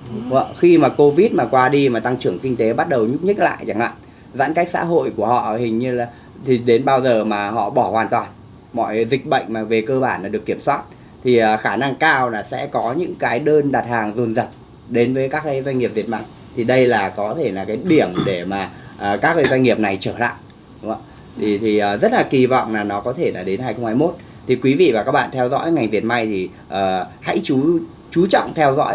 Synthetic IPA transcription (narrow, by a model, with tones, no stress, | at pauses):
və̰˧˨xi˧maː˨˩ko˧vi˦˥t̚maː˨˩kwaː˧ɗi˧maː˨˩t̪a˧ŋt͡ɕɨ˧˩əŋkï˧ŋ̟t̪e˨˦ɓa˦˥t̚ɗə˨˩wɲʊ˦˥p̚ɲə˦˥t̚la̰ː˧˨jt͡ɕa˨˧˩ŋla̰ː˧˨ | za̰ː˧˥nka˦˥j̚sa̰ː˧˥ɦo̰˧˨jku˧˩əhɔ̰˧˨hï˨˩ŋ̟ɲɨ˧laː˨˩ | t̪ʰi˨˩ɗe˨˦nɓaː˧wzəː˨˩maː˨˩ɦɔ̰˧˨ɓɔ˧˩hwaː˨˩nt̪waː˨˩n | mɔ̰˧˨jzï˨˩k̟̚ɓə̰˧˨jŋ̟maː˨˩ve˨˩kəː˧ɓaː˧˩nlaː˨˩ɗəkːi˧˩əmswaː˦˥t̚ | t̪ʰi˨˩ʔəː˨˩xaː˧˩na˧ŋkaː˧wlaː˨˩sɛ̰˧˥kɔ˨˦ɲɨ̰˧˥ŋkaː˨˦jɗəː˧nɗaː˨˩t̚haː˨˩ŋzo˨˩nzə˨˩t̚ | ɗe˨˦nvəː˨˦jkaː˦˥kːa˨˧˦jzwa˧ŋi˨əp̚vi˨˩ət̚ma˧j | t̪ʰi˨˩ɗə˧jlaː˨˩kɔ˨˦t̪ʰe˧˩laː˨˩kaː˨˦jɗi˧˩əmɗe˧˩maː˨˩ʔəː˨˩kaː˦˥k̚ːə˧jzwa˧ŋŋi˨˩əp̚na˨˩jt͡ɕəː˧˩la̰ː˧˨j | ɗʊ˨˦ŋ͡ma˧ | t̪ʰi˨˩t̪ʰi˨˩ʔəː˨˩zə˦˥t̚laː˨˩ki˨˩vɔ̰˧˨wŋ͡mlaː˨˩nɔ˨˦kɔ˨˦t̪ʰe˧˩laː˨˩ɗe˨˦nha˧jxə˧wŋ͡mhaː˧jmo˦˥t̚ | t̪ʰi˨˩kwi˨˦vḭ˧˨vaː˨˩kaː˦˥k̚ɓa̰ː˧˨t̪ʰɛ˧wzɔ̰˧˥jŋa˨˩jŋ̟vi˨˩ət̚ma˧jt̪ʰi˨˩ | ʔəː˨˩ha̰˧˥jt͡ɕu˨˦ | t͡ɕu˨˦t͡ɕɔ̰˧˨wŋ͡mt̪ʰɛ˧wzɔ̰˧˥j